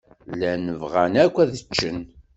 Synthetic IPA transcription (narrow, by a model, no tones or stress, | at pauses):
lænəvʁænækʷːæðət͡ʃːən